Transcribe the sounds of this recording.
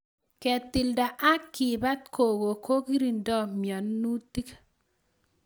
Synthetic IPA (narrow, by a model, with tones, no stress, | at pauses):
kɛ˨t̪ːi˨lda˨ʔa˦kːi˨ba˦t̪̚kʰo˨ɡo˨ko˦ki˦ɾi˨ndɔ˦mjɔ˨nːu˦ti˦k